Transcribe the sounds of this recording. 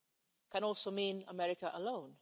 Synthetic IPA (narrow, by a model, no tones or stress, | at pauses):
kə̃nɔˑlsomĩːnəmɛɹɪkəʔəlõʊ̃n